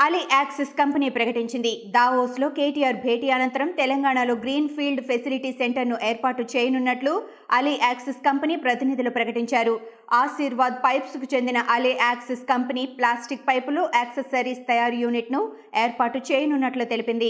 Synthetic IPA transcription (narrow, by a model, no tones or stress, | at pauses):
ɐliʔaːkseskɐmpɐniːpɾɐkɐʈiɲt͡ʃind̪id̪aːʋoːslo̞ːke̞ːʈijaːɾbʱe̞ːʈiːɐnɐnt̪ɐɾɐmt̪ɛlɐŋɡaːɳalo̞ːɡɾiːnpʰiːlɖpʰesiliʈiseɳʈɐɾnuʔeːɾpaːʈːut͡ʃeːjɐnunːɐʈlu | ɐliʔaːkseskɐmpɐniːpɾɐt̪inid̪ʱilupɾɐkɐʈiɲt͡ʃaːɾu | aːʃiːɾʋaːd̪̚pɐjpskut͡ʃe̞nd̪inɐʔɐliʔaːkseskɐmpɐniːplaːsʈik̚pɐjpuloːʔɛːksesɐɾiːst̪ɐjaːɾjuːniʈnu | eːɾpaːʈːut͡ʃeːjɐnunːɐʈlut̪e̞lipind̪i